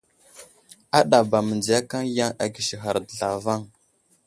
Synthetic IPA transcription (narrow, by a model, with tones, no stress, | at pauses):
a˦ɗa˨ba˨mə˨nd͡zi˨a˦ka˦ŋja˦ŋa˨ɡi˨ʃi˨ɦa˨ɾdə˨ɮa˨va˦˨ŋ